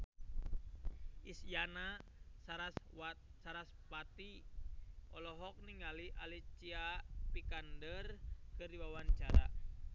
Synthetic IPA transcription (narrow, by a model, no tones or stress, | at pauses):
ʔisjanaaɾassaɾaspat̪i | ʔɔlɔɦɔk̚niŋaliʔalit͡ʃiapikandərkɨrdiwawaɲt͡ʃaɾa̰